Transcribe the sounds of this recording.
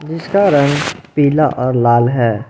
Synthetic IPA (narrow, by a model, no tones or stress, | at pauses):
d͡ʒɪskaɾɐ̃ŋɡpiːlaʔɔːɾlaːlɦɛː